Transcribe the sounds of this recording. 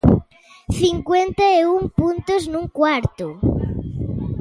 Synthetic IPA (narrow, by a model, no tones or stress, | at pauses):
θiŋkwent̪ɐeuŋpunt̪ʊznuŋkwaɾt̪ʊ